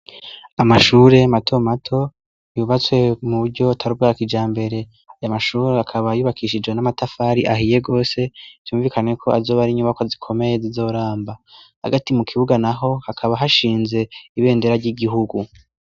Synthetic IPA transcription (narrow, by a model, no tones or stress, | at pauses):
amaʃuːɾe̞matʰo̞matʰo̞ | juːβat͡swe̞muβuɾɟo̞tʰaɾub̚ɡaːkid͡ʒaːmbe̞ɾe̞ | ajamaʃuːɾeakʰaβajuːβakʰiʃid͡ʒwe̞namatafaːɾiʔaɦije̞ɡo̞ːse̞v̥juːɱviːkʰane̞kʰo̞azo̞ːβaɾiɲuːmakozikʰo̞me̞jezizo̞ɾaːmbaha̰ɡatimukʰiβuɡanaɦo̞hakʰaβaɦaʃiːnze̞iβe̞ːnde̞ɾaɾɟiɡiɦuɡu